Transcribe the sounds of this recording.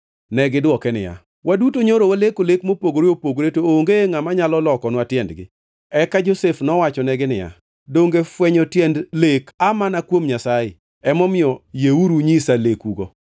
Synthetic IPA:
nɛɡɪdwɔkɛnɪ̰ja̰ | wadutoɲoɾowalekolekmopoɡoɾiopoɡɾetooŋɡeŋamaɲalɔlɔkɔnwatjɛndɡɪ̰ | ɛkad͡ʒosefnɔwat͡ʃɔnɛɡɪnɪja̰ | doŋɡefwɛɲotjɛndlekamanakwomɲasajɪ̰ | ɛmɔmɪɔjeuɾuɲisalekuɡo

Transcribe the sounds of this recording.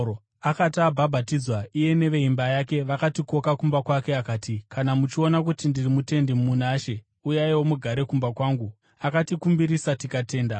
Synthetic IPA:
akatiabʱabʱatid͡zwaije̞ne̞ʋe̞imbajake̞ʋakatiko̞kakumbakwake̞akaːtikanamut͡ʃio̞nak̬utindirimute̞ndimmunaːʃe̞ | ujaiwo̞muɡʱaɾe̞kumbakwaːŋɡu | akatikumbiɾisatikate̞ːnda

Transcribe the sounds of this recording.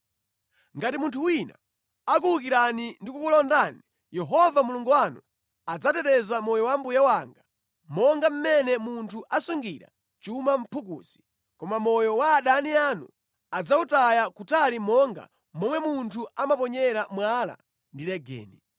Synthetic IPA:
ŋɡatimuntʰuwina̰ | ak̬uluk̬iɾanindikukulɔndani | jɛɦɔvamuluŋɡuwanu | ad͡zatɛtɛzamɔjɔwambujawaŋɡa | mɔŋɡam̩mɛnɛmuntʰuʔasuŋɡiɾa̰ | t͡ʃumam̩pʰuk̬ṵːsi̥ | kɔmamɔjɔwaːɗanianṵ | ad͡zautajakutʰalimɔŋɡa̰ | mɔmwɛmuntʰuamapɔɲɛɾamwala̰ | ndilɛɡɛ̰ːni

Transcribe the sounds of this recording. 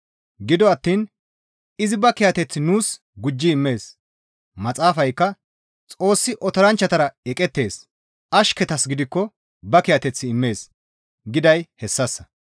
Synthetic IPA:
ɡɪd̪ɔɐt̪ːiːn | ɪzɪbɐkɪjɐt̪ɛt͡sːɪnuːs | ɡʊd͡ʒːɪɪmːe̞ːs | mɐt͡sʼaːfɐjkːɐ | t͡sʼo̞ːsːɪʔɔt̪ɔɾɐnt͡ʃːɐt̪ɐɾɐɛkʼɛt̪ːe̞ːs | ʔɐʃkɛt̪ɐsɡɪd̪ɪkːɔ | bɐkɪjɐt̪ɛt͡sːɪːmːe̞ːs | ɡɪd̪ɐjhɛsːɐsːɐ

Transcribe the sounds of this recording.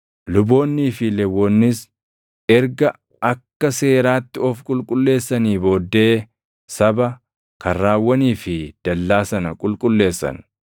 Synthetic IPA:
lʊbo̞ːnːiːfɪlɛwːɔnːɪs | ɛɾɡɐ | ɐkːɐse̞ːɾaːt̪ːɪɔfkʼʊlkʼʊlːe̞ːsːɐniːbo̞ːd̪ːe̞ː | sɐbɐ | kɐːaːwːɐniːfɪd̪̥ɐlːaːsɐnɐkʼʊlkʼʊlːe̞ːsːɐ̰n

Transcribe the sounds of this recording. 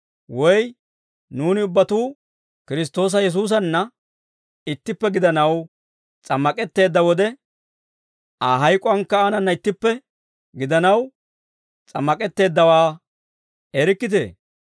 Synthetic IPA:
wɔj | nuːnɪʊbːɐt̪uː | kɪɾɪs̬t̪o̞ːs̬ɐjɛs̬uːs̬ɐnːɐ | ɪt̪ːɪpːɛɡɪd̪ɐnɐw | t͡sʼɐmːɐkʼɛt̪ːe̞ːd̪ːɐwɔd̪ɛ | aɦɐjkʼɔɐŋkːɐːnɐnːɐɪt̪ːɪpːɛ | ɡɪd̪ɐnɐw | t͡sʼɐmːɐkʼɛt̪ːe̞ːd̪ːɐwaː | ɛɾɪkːɪt̪̬ḛː

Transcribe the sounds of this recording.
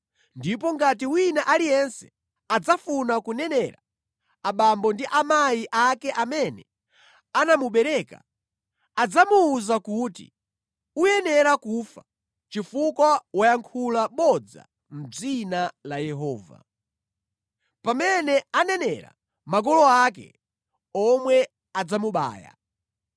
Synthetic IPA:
ndipɔŋɡat̬iwinaʔalijɛnsɛ̥ | ad͡zafunakunɛnɛɾa | aɓambɔndiʔamajiʔakɛʔamɛnɛ | anamuɓɛɾɛka̰ | ad͡zamuːzakutḭ | ujɛnɛɾakufa | t͡ʃifukwawajaŋkʰulaɓɔd͡za̰ | m̩b͡ʐinalajɛɦɔːva̰ | pamɛnɛanɛnɛɾa̰ | maɡ̬ɔlɔakɛ̰ | ɔmwɛ | ad͡zamuɓa̰ːja̰

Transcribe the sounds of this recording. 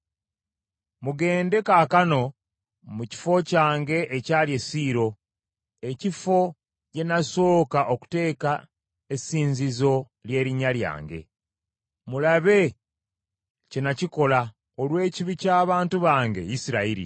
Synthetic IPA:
muɡe̞ːnde̞kaːkano̞ | muci̥fo̞caːŋɡe̞ʔːcaːlje̞siːɾo̞ | e̞cifo̞ | je̞naso̞ːkaʔo̞ku̥te̞ːka | esiːɲzizo̞ | lje̞ːɾiɲːalja̰ːŋɡe̞̰ | mulaβe̞ | cenaciko̞la | olwe̞ːciβicaːβaːntuβaːŋɡe̞̰jisiɾaiɾḭ

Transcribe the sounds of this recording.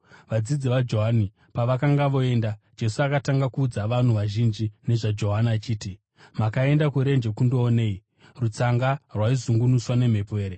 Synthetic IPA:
ʋad͡zid͡ziʋad͡ʒo̞ɦani | paʋakaŋɡaʋo̞e̞ndad͡ʒe̞suakataŋɡakuːd͡zaʋan̤uʋaʒind͡ʒine̞ʐad͡ʒo̞ɦanat͡ʃiːti | makae̞ndakuɾe̞nd͡ʒe̞kundo̞ːneːi | rut͡saŋɡarwaizuŋɡunuswane̞m̤e̞pe̞ːɾe

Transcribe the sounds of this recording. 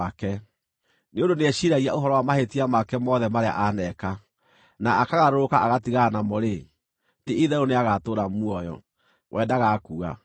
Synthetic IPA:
akɛ | neondoneɛɕiɾaɣiaʔoɦɔɾɔwamahetiamakɛmɔðɛmaɾea̰ʔanɛka | naakaɣaɾoɾokaʔaɣatiɣaːnamɔɾe | teiðɛɾoneaɣatoːɾamuɔjɔ̰ | wʔɛdaɣakuːa̰

